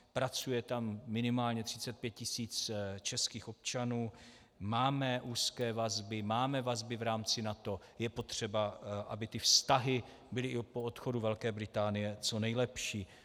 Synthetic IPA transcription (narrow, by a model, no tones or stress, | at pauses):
pɾat͡sujɛt̪amːɪnɪmaːlɲɛt̪r̝̥ɪt͡sɛt̪̚pjɛt̪̚cɪsiːt͡st͡ʃɛskiːxo̞p̚t͡ʃanuː | maːmɛʔuːskɛːvazbɪmaːmɛvazbɪvɾaːmt͡sɪnat̪o̞ | jɛpo̞t̪r̝̥ɛbaʔabɪt̪ɪfst̪aɦɪ | bɪlɪɪpoot̪xo̞duvɛlkɛːbɾɪt̪aːnɪjɛt͡so̞nɛjlɛpʃiː